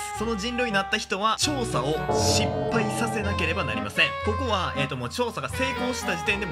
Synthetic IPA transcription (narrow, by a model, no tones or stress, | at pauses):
so̞no̞d͡ʑĩnɾʲoɲ̟inat̪ːaçi̥t̪o̞βat͡ɕo̞ːsao̞ɕĩpːaisase̞nake̞ɾe̞bana̰ɾʲimasẽ̞ŋko̞ko̞βaeːt̪ːomoːt͡ɕo̞ːsaɡase̞ːko̞ːɕi̥t̪ad͡ʑit̪ẽ̞nd̪e